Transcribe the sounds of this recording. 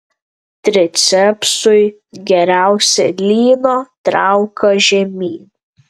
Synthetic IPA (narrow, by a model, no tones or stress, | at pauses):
t̪ʲɾʲɪt̪sʲɛpsʊɪ | ɡʲɛɾʲæˑʊsʲɛlʲiːnoːt̪ɾɑʊkɐʒʲɛmʲiːn